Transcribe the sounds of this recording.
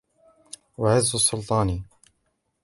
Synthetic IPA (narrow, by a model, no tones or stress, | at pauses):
waʕɪzːʊsˤːʊlt̪ˤɑːni